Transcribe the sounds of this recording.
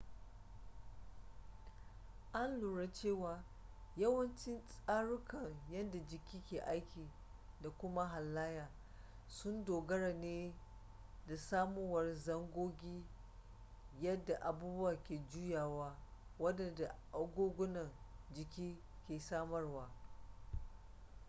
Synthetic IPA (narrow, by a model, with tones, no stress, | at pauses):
ʔa˦nluː˨ɽa˦t͡ʃeː˦˨waː˨ | jɐ˦wɐ˦nt͡ʃɪ˦nsʼaː˦ɽʊ˦kɐ˨ŋjɐ˦nda˨d͡ʒɪ˨kʲiː˦kʲeː˨ʔa˦jkʲiː˨ | da˨kʷʊ˦ma˦ɦa˨lːaː˦jaː˨ | sʊ˦ndoː˨ɡɐ˦ɽɐ˨neː˦ | da˨saː˦mu˦wɐ˨rzɐ˦ŋɡʷoː˦ɡʲiː˦ | jɐ˦dːa˨ʔa˨buː˦bʊ˦waː˨kʲeː˨d͡ʒu˦jaː˨waː˦wɐ˦dɐ˨nda˨ʔa˦ɡʷoː˦ɡʷʊ˦nɐ˨n | d͡ʒɪ˨kʲiː˦ | kʲeː˨saː˦mɐ˦rwaː˦